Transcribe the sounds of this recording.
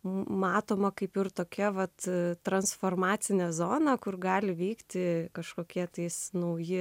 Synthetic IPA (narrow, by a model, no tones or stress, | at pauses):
mɑːt̪oːmɐkɐɪpɪrt̪oːkʲɛʋɐt̪t̪ɾɐnsfoːrmɑːt̪t͡s̪ʲɪnʲɛzoːnɐkʊrɡɑːlʲɪʋʲɛɪkt̪ʲɪkɐʃkoːkʲiɛt̪ɐɪsnɐʊjɪ